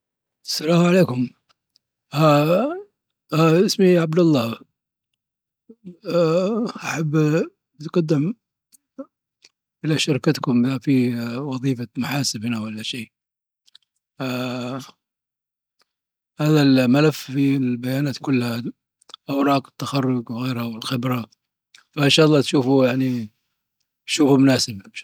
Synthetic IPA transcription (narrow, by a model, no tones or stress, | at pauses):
salaːmʕaleːkʊm | a | ʔɪsmiʕab̚d̪alːa | ʔaħabː | ɪt̪qɑd̪ːɪm | ʔɪlaʃɑɾˤkat̪kʊmafiwɑðˤiːfamaħaːsɪbɪnawʔalːaʃeː | haːðalmalaffilbajaːnaːt̪kʊlːha | ʔawɾˤɑːqɪ̥t̪ːaxɑrːʊd͡ʒwɣeːɾhawɪlxɪbɾa | faʔɪnʃaːʔɑlˤːɑːt̪ʃuːfujaʕni | ʃuːfumʊnaːsɪbnʃ